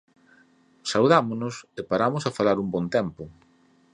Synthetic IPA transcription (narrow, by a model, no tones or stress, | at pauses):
sauðamonʊsepaɾamosafalaɾumbɔnt̪ɛmpʊ